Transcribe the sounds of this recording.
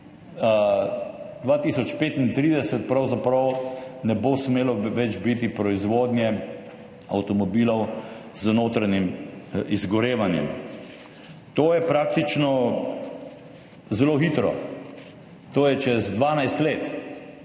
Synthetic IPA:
d̪ʋaːt̪isɔt͡ʃpeːt̪int̪ɾiːd̪ɛsɛt̪̚pɾawzapɾɔwnɛboːsmeːlɔʋɛd͡ʒbit̪ipɾɔizʋoːd̪nʲjɛ | a̰wt̪ɔmɔbiːlɔw | z̥noːt̪ɾaɲimizɡɔɾeːʋanjɛ̰m | t̪oːjɛpɾaːk̚t̪it͡ʃnɔ | zɛloːxiːt̪ɾɔ̰ | t̪oːjɛt͡ʃɛzd̪ʋaːnajst̪leːt̪

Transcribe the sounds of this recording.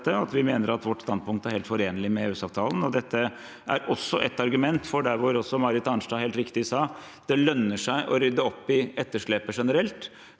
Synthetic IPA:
t̪ːəɑt̪ʋɪmeːnəɾɑt̪ʋɔʈːst̪ɑnd̪spʊŋkt̪əæɾheːlt̪fɔɾeːnəlɪmɛʉːsɑːʋt̪ʰɑːlən̩ɔd̪ɛt̪ːə | ʔæ̰ɾʔɔsːɔʔɛt̪ːɑɾɡʉmɛnt̪fɔɖæɾʋʊɾɔsːɔmɑɾət̪ɑnʂɖɑːɦeːlt̪ɾɪkt̪ɪsɑː | d̪̥ɛlœnːəʂæɪʔɔɾʏd̪ːəɔpːɪɛt̪ːəʂɭɛpəʂɛnəɾɛlt̪

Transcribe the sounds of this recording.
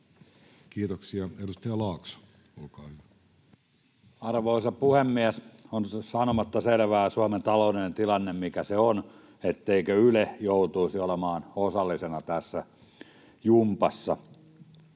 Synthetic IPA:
kiːt̪oksiɑedust̪ɑjɑlɑːkso̥ | olkɑːhyʋæ | ɑrʋoisɑpuhemːiæsonsɑnomɑt̪ːɑselʋæːsuɑment̪ɑlouninent̪ilɑnːemmikæseon | et̪ːeikøylejout̪uisiolemɑːnosɑlːisenɑt̪æsːæ | jumpɑsːɑ̰

